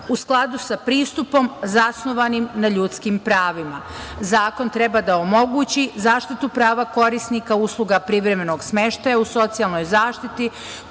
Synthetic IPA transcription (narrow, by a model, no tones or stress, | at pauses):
usklˠad̪usapɾiːst̪upo̞mzasno̞ʋanimnaʎut̪skimpɾaːʋima | zaːko̞nt̪ɾe̞bad̪aomo̞ɡuːt͡ɕizaːʃt̪it̪upɾaːʋako̞ɾisnikauslˠuɡapɾiʋɾe̞meno̞ɡsme̞ʃt̪ajauso̞t̪sijalˠno̞jzaːʃt̪it̪i